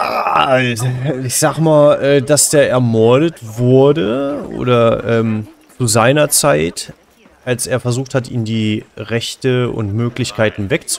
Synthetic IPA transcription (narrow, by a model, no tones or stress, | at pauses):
ltɪçz̥aːɡmaːlʔɛːdasd̥eːɐʔɛɐmɔɐɾətv̥ʊɐdəʔo̰ːdɐʔɛːmt͡suzaɪnɐt͡saɪt | ʔalsʔeːɐfɛɐzuːxthatʔḭːmndiːʁɛçtəʊ̰ntmøːklɪçkʰaɪtn̩vɛkt͡s